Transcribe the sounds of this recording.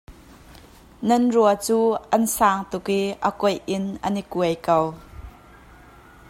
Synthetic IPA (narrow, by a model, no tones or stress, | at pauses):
nɐnruat͡suːʔɐnsaːŋt̪ʊkiʔəkɔjʔɪnʔənikuəjkɐw